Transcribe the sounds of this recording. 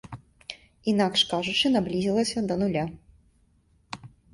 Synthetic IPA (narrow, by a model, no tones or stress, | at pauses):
inakʂkaʐut͡ʂɨnablʲizʲilˠɐsʲɐd̪ɐnulʲa